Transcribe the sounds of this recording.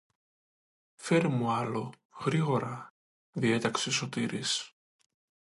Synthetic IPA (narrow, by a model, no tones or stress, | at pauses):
fe̞ɾmuɐlo̞ | ɣɾiɣo̞ɾɐ | ðie̞t̪ɐksso̞t̪iɾis